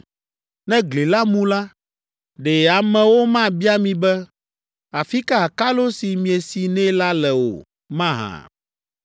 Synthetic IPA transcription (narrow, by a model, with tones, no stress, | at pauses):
nɛ̃˦ɡle˨la˦mũ˦la˦ | ɖɛ˨a˨mɛ̃˨wo˦mã˦bi˦a˦mĩ˨bɛ˦ | a˨fi˦ka˦a˨ka˦lo˦si˨mĩ˨e˨si˨nɛ̃˦la˦lɛ˨wo̰˨ | mã˦ɦã̰˨